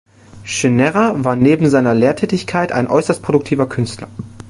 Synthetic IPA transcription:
ʃɪnɛʁavaːɐneːbm̩zaɪnɐleːɐtʰɛːtɪçkʰaɪta̰ɪnʔɔ̰ʏsɐst̚pʁ̥odʊk̚tʰiːvɐkʰʏnstlɐ

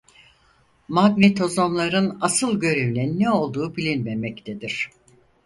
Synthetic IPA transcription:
mad̪mit̪ʰo̞zomlˠaɾɯnasɯlˠɟø̞ɾevlʲɛnnɛo̞lˠd̪uːbilʲinmemɛct̪ʰed̪iɾ̝̥

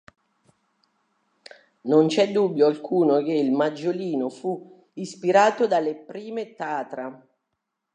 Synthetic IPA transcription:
nont͡ʃɛd̪ːubjoalkʰuːnok̟eilmad͡ʒːoliːnofu | ispiɾaːt̪od̪alepɾiːmet̪aːt̪ɾa

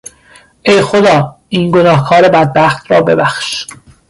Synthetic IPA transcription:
ʔejxod̪ɒː | iːnɡonɒːhkʰɒːɾe̞bæd̪̚bæxt̪ʰɾɒːbe̞̰bæxʃ

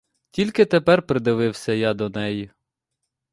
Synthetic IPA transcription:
tʲilʲkɪt̪epɛrpɾɪd̪ɪʋɪwsʲɐjɑd̪ɔnɛji

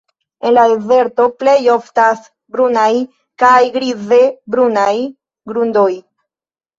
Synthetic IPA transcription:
e̞nlaeze̞ɾto̞ple̞jo̞ftas | bɾunaj | kajɡɾize̞bɾunaj | ɡɾundo̞j

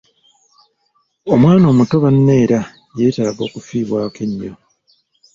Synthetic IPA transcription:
o̞mwaːno̞ːmuto̞βanːe̞ːɾa | je̞ːtaːβo̞ːkufiːβwaːkeɲːo̞

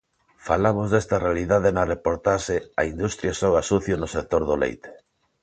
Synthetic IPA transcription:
falamozðest̪ɐrealiðað̞enɐrepoɾt̪aʃeaind̪ust̪ɾjasoɣasuθjonʊsek̚t̪oɾðʊlḛjt̪e̥

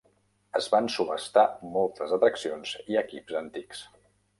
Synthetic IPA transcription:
əzβansuβəst̪amɔlˠt̪əzət̪ɾəksionziəkipzənt̪iks

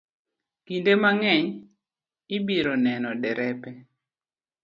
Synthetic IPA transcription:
kindemaŋɛɲ | ibiɾonɛnɔdɛɾʔɛpɛ

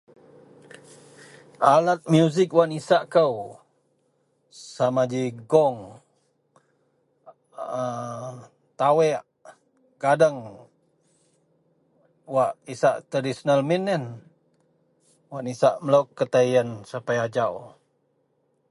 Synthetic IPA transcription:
alat̪̚mjuzɪkwaʔnisaʔkəw | samad͡ʒiɡɔŋ | ə | t̪awɛʔ | ɡadəŋ | waʔisaʔt̪ərdisonalminːən | waʔnisaʔməlokːət̪ajənsapajad͡ʒaw

